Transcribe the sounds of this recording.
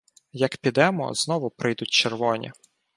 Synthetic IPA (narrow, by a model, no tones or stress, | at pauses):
jɐkpʲid̪ɛmɔ̰znɔʋʊpɾɪjd̪ʊt̚ʲt͡ʃerʋɔnʲḭ